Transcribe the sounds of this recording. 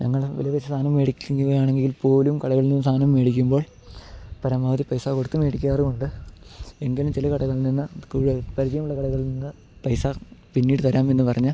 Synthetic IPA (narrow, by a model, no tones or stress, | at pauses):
ɲʔɐ̰ŋːɐɭʋɐ̰liʋɐt͡ɕːɨst̪ʰaːnɐmːeːɽikʲːŋɐaːɳeŋɡiŋɡilpoːlumkɐɽɐɣɐɭlninːɨst̪ʰaːnɐmːeːɽikʲːumbo̞ːɭ | pɐɾɐmːɐʋɐt̪ːipɐjsaːko̞ɽut̪ːume̞ːɽikʲːaːrɨkoɳɖɨ | eŋɡelumt͡ɕilɐkɐɽɐɣɐɭilninːɨkuːpɐɾid͡ʑɐjɐmuɭːɐkɐɽɐɣɐɭninːɨ | pɐjsaːpinːiːɽɨt̪ɐɾaːme̞nːɨpɐrɐɲːɨ